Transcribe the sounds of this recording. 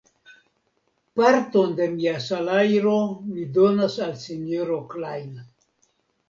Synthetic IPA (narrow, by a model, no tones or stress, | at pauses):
paɾt̪ond̪e̞miasalajɾomido̞nasalsenoɾoklajn